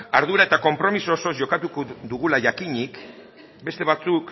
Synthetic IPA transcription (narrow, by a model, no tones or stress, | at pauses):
aɾðuɾae̞t̪ako̞mpɾo̞miso̞so̞zʝo̞kat̪ukod̪uɣulaʝakiɲik | be̞st̪e̞β̞at͡suk